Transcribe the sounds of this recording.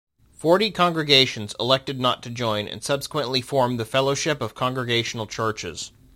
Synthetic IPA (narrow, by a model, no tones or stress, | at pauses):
fɔɹɾikʰɑ̃ŋɡɹɨɡeɪʃɨ̃n̩zə̰lɛk̚tɨdⁿnə̰tʰɨd͡ʒɔ̃ɪ̃nɨ̰̃nsʌb̥sə̥kwə̃nʔlifɔɹmðɨfɛlˠoʊʃɪpʌv̥kʰɑ̃ŋɡɹɨɡeɪʃn̩l̩ˠt͡ʃʰɜ˞t͡ʃɪ̰z̥